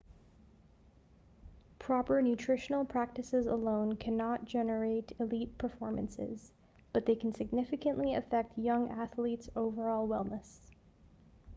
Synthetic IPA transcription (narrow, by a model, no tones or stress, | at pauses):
pʰɹ̥ɑpə˞nʉtʰɹ̥ɪʃn̩l̩ˠpʰɹ̥æk̚tɨsɪzəlõʊ̃nkʰænət̚d̥ʒ̥ɛnə˞eɪɾɪlit̚pʰə˞fɔɹmɨ̰̃nsɪ̰z | b̥ʌt̪̚ðeɪkʰn̩sɨɡ̚nɪfɨkɨ̃nʔliɨ̰fɛk̚t̚ʰjʌ̃ŋʔæθlitsoʊvə˞ɔlˠwɛlˠməs